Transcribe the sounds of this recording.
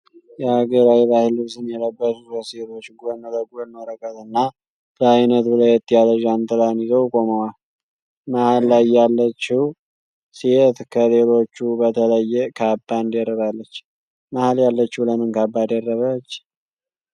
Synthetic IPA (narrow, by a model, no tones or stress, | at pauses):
jɛhaɡəɾawiβahɪlusɨnjɛləbːəsuəset̪ʰo̞t͡ʃːɡonmələɡuonməɾəkʼːət̪ɨnːa | bəajnət̪bɨlajɛt̪ʼːijad̪əʒant̪ʼɨlanjizəwkʼoməwal | mahalːajːalːət͡ʃːɪw | siet̪kʰəlelo̞t͡ʃːubət̪ʰələjːɛkʰabːand̪jɛrːəβalːət͡ʃː | mahaljalːət͡ʃːɪwləmɨnkabːad̪ɛrːəβət͡ʃː